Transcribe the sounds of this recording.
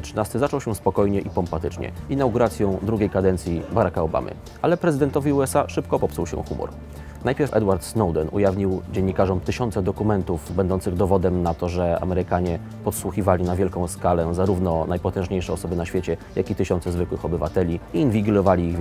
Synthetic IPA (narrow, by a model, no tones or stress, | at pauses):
tʂɘnast̪ɘzat͡ʂɔwɕɛ̃spɔkɔjɲɛʔipɔmpat̪ɘt͡ʂɲɛ̰inawɡuɾat̪sʲjɔ̃w̃d̪ɾuɡʲejkad̪ɛnt̪sʲjibaɾakaɔba̰mɘ̰ | alɛpɾɛzɘd̪ɛnt̪ɔvʲiuɛsaʂɘp̚kɔpɔpsuwɕɛ̰̃xumɔ̰ɾ | najpʲjɛɾfɛ̰d̪waɾt̪snɔwd̪ɛnṵjavɲiwd͡ʑɛɲːikaʐɔmt̪ɘɕɔnt̪sɛd̪ɔkumɛnt̪uvbɛnd̪ɔnt̪sɘɣd̪ɔvɔd̪ɛmnat̪ɔʐɛa̰mɛɾɘkaɲɛ | pɔt̪swuxʲivalʲinavʲjɛlkɔ̃w̃skalɛzaɾuvnɔnajpɔt̪ɛ̃ʐɲejʂɛɔsɔbɘnaɕfʲet͡ɕɛjakit̪ɘɕɔnt̪sɛzvɘkwɘxɔbɘva̰t̪ɛlʲiiːnvʲiɡlɔvalʲi